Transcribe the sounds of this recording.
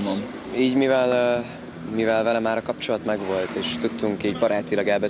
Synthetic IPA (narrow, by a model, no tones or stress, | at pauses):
mom | iːɟmivɛl | mivɛlvɛlɛmaːɾɒkɒpt͡ʃo̞lɒt̪mɛɡʋo̞lt̪eːʃt̪ut̪ːuŋkiːɟbɒɾaːt̪ilɒɡɛlbɛ